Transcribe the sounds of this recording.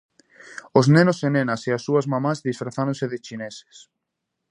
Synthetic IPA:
oznenosenenɐseasːuɐzmamazðisfɾaθaɾõnseðɪt͡ʃinese̥s

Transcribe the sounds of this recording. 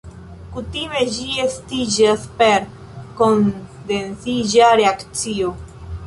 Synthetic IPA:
kutime̞d͡ʒiestid͡ʒaspeɾ | kondensid͡ʒaɾe̞akt͡sio

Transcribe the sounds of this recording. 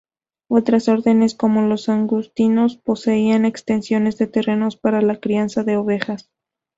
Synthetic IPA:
o̞t̪ɾaso̞ɾðe̞ne̞sko̞mo̞lo̞saŋɡust̪ino̞spo̞se̞iane̞kst̪e̞nsjo̞ne̞zðe̞t̪e̞re̞no̞spaɾalakɾiansaðe̞oβe̞xas

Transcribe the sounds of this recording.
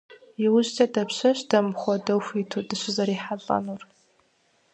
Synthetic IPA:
jɪwʊʑtʰɐdɐpɕɐɕdɐmχʷɔdɐwxʷitʰudɨɕɪzɐɾiːħaɮʼɐ̰nur

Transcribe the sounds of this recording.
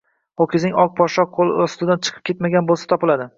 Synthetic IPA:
okʲɪzɪŋɒk̚pʰɒʃɒq̚ʰːolˠɪost̪ɪd̪ant͡ʃʰɨ̥qʰɨ̥p̚kʲe̞t̪maɡʲanbolˠsḁt̪ʰɒpɪlad̪ɪ

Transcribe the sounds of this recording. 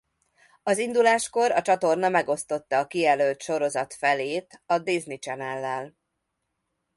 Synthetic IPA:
ɒzind̪ulaːʃko̞ɾɒt͡ʃɒt̪o̞rnɒmɛɡo̞st̪o̞t̪ːɒːkiɛløːlt̪ʃo̞ɾo̞zɒt̪fɛleːt̪ɒd̪iznit͡ʃɛnɛlːɛl

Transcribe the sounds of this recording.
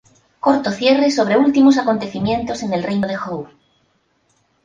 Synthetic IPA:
ko̞ɾt̪oθje̞reso̞β̞ɾe̞ult̪imos̬ako̞nt̪e̞θimjẽ̞nt̪o̞se̞ne̞lrejnoðe̞xow

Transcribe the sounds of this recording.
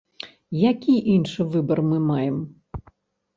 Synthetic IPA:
jakʲiʔinʂɨvɨbɐrmɨmajɛm

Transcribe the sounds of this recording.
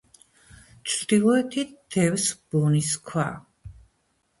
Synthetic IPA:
t͡ʃʰd̪ilˠɔɛt̪ʰid̪̥ɛvsb̥uniskʰwa̰

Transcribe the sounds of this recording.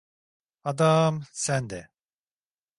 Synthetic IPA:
ad̪amsænd̪ɛ

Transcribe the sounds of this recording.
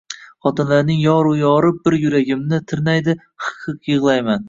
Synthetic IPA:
χɒt̪ʰɪnlaɾnɪŋjɒɾʊjɒɾɪp̚bɪɾjʊɾaɡʲɪmnɪt̪ʰɪɾnajd̪ɪ | χɑ̥qʰɨqjɨʁlˠajman

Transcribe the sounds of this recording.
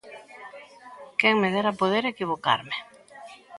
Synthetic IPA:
keŋmeðeɾapoðeɾekiβ̞oka̰ɾme

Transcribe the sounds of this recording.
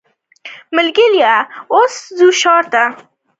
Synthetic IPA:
mɪlɡɪljaoszuʃɑɾt̪a

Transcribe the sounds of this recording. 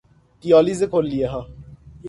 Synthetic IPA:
tijɔːlizekolːieɦã

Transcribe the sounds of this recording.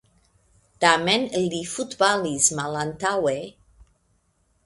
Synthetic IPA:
d̪̥amɛnlifut̪balizmalant̪awe

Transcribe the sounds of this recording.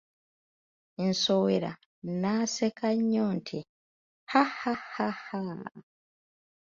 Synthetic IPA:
ensoweɾa̰ | naːsekaɲːoːntʰi | hahahaha

